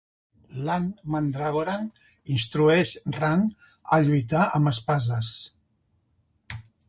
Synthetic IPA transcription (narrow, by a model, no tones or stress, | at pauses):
lanmand̪ɾaɣoɾan | inst̪ɾueʃran | əʎujt̪aʔəməspazəs